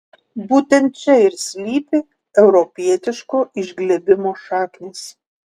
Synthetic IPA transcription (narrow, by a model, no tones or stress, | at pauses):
buːt̪ʲɛnt̪̚t͡ʃʲɛɪɾsʲlʲiːpʲɪ | ɛʊɾɔpʲiɛt̪ʲɪʃkoːʔɪʒʲɡlʲɛbʲɪmoːʃɑːknʲeːs